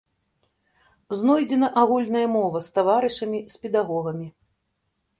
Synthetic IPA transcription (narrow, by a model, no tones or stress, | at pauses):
znɔjd͡zʲɛnɐʔaɣulʲnɐjɐmɔvɐst̪avaɾɨʂɐmʲispʲɛd̪aɣɔɣɐmʲi